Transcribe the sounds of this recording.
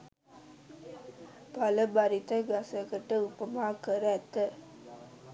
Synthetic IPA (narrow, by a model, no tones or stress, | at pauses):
pɐlɐbɐɾit̪ɐɡɐsɐkɐʈːɐʊpːɐmaːkɐɾɐɐt̪ːɐ